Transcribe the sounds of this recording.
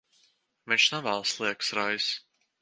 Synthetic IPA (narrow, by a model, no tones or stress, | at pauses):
mɛt͡ʃnavalˠslˠiɛksɾajs